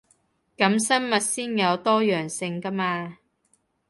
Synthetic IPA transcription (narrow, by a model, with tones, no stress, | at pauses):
kɐ˨˥msɐ˥mmɐ˨t̚siː˥njɐ˨˧wt̪ɔː˥jœː˨˩ŋsɪ˧ŋkɐ˥maː˧